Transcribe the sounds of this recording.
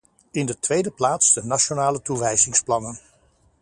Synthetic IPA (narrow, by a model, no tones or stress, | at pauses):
ɪndətʋejdəplaːtsdənaʃonaːlətuʋɛjzɪŋsplɑnən